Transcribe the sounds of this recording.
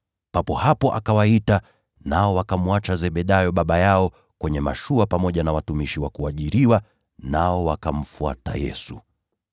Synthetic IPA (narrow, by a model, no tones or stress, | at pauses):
papɔhapɔʔa̰kawaita | naɔwakamuat͡ʃazɛɓɛɗajɔɓaɓajaɔ | kwɛɲɛma̰ʃuapamɔʄanawatumiʃiwakuaʄiɾiwa | naɔwakam̩fua̰ta̰jɛ̰su